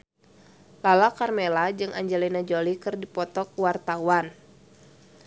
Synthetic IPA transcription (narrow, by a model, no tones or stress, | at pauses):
lalakarmelad͡ʒɨŋʔa̰ɲd͡ʒɛlinad͡ʒolikɨrdipɔt̪ɔk̚wart̪awan